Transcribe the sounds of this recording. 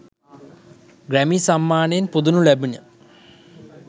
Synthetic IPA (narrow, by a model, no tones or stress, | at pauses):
ɡɾɐmisɐmːaːnɐjinpud̪unuɭebiɲɐ